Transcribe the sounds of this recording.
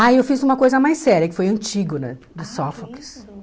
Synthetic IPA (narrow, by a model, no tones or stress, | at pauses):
ajewfizũmɐkojzɐmajsɛɾjɐkɪfojɐ̃nt͡ʃiɡʊnɛd̪ʊsɔfɔks